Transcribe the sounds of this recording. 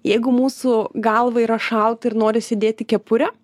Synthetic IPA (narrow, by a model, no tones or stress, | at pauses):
jɛɪɡʊmuːsuɡɐlˠʋɐiːɾɐʃɐlˠt̪ɪɾnoːɾʲɪsʲed̪ʲeːt̪ʲɪkʲɛpʊɾʲɛ